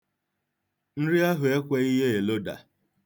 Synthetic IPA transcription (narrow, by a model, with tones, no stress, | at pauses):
n̩˦ɾi˦a˦ɦʊ˨e˦kʷe˦i˦ɦe˦e˨lo˦da̰˨